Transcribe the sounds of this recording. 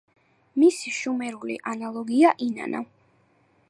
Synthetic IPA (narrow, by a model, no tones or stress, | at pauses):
misiʃumɛɾulḭʔanalˠɔɡiaʔina̰na̰